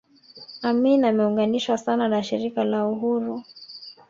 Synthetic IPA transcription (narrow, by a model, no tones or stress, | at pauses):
aminamɛuŋɡaniʃwasananaʃiɾikalauɦuɾu